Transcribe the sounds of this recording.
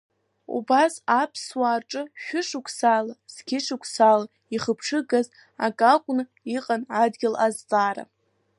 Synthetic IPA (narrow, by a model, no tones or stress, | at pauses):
ṵbasapʰswaːrʈ͡ʂʼɨʃᶣʊʂʊkʷʰsalaz̥ɡʲɪʂukʷʰsala | iχəpʰʂʰɨɡaz | a̰kʼakʷʼnɨ | iqʼanʕadɡʲɪlazt͡sʼaːɾa̰